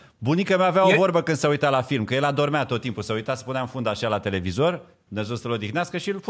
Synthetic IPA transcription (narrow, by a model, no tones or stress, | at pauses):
bunikəmeaveaovo̞rbəkɨnsəujt̪alafilmkəje̞lad̪o̞rmeat̪o̞t̪ːimpusəujt̪asə̥puneafund̪aʃialat̪e̞le̞vizo̞r | nəzosəlo̞d̪ixneaskəʃilf